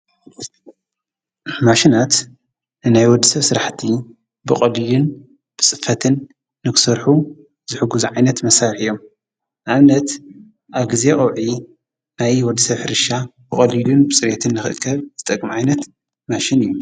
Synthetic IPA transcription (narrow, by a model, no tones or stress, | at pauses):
maʃinat̪ | nɨnajwɔd̪ɨsɐβsɨɾaħt̪ʰi | bɨχʼɐlilun | b̥ɨsʼɨfɐt̪ʰɨnː | ɨkɨ̥sɐɾħu | z̥ɨħɨɡuzʕajnɐt̪mɐsaɾħɨjːo̞m | nʕaβnɐt̪ | ʔaβɡizekʼɐwʕi | najwɔd̪ɨsɐβħɨɾɨʃabɨχʼɐlilunbɨsʼɨɾet̪ʰɨnːɨxɨ̰ʔkʰɐβzɨt̪ʼɐkʼmiʕajnɐt̪ | maʃinɨjːu